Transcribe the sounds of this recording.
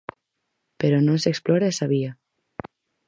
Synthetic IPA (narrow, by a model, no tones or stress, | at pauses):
peɾonoseksploɾaesaβ̞ia